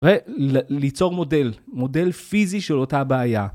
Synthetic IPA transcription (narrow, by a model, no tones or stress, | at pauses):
ʁelit͡so̞ʁmo̞delmo̞de̞lfiziʃelo̞tabeːja